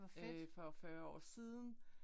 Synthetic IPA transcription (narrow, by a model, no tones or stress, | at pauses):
fɒ̽fɶːɐɒ̰ːsiːð̞ˠn̩